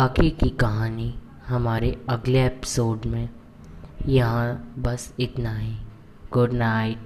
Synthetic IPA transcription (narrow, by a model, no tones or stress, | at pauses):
baːkikikɐɦaːni | ɦɐmaːɾeɐɡleeːpɪ̥soːɖmẽ | jɐɦãbɐsɪt̪naɦɛ | ɡ̥ʊɖnaːɪʈ̚